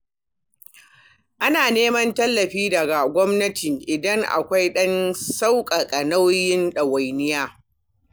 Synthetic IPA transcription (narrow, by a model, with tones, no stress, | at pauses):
ʔa˦naː˨neː˦mɐ˦ntɐ˦lːɐ˨ɸiː˦dɐ˨ɡa˨ɡʷɔ˦mnɐ˦tɪ˨ŋʔɪ˨dɐ˦ŋʔa̰˨kʷa˦jɗɐ˦nsa˦wkʼɐ˨kʼɐ˨na˦wjɪ˦nɗɐ˨wa˨jnɪ˦jaː˦